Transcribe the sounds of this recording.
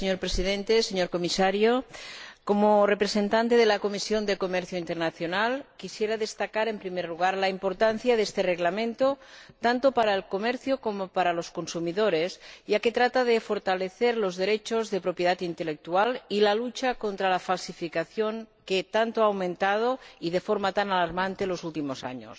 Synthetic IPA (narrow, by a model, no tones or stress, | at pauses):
seɲo̞ɾpɾesiðẽnt̪eseɲoɾkomisaɾjoko̞morepɾese̞nt̪ant̪eð̞elako̞misjo̞nd̪ekomeɾθjoint̪eɾnaθjonalkisjeɾaðe̞st̪akaɾe̞mpɾimeɾluɣ̞aɾlaimpo̞ɾt̪anθjaðest̪ereɣlamẽ̞nt̪ot̪ant̪opaɾaelkomeɾθjoko̞mopaɾalo̞sko̞nsumiðoɾesʝaket̪ɾat̪aðefoɾt̪aleθeɾlozðeɾet͡ʃozðepɾopjeðat̪int̪elek̚t̪ualilalut͡ʃakont̪ɾalafalsifikaθjoŋket̪ant̪oaːwmẽnt̪að̞oið̞efoɾmat̪analaɾmant̪elo̞sult̪imosa̰ɲo̰s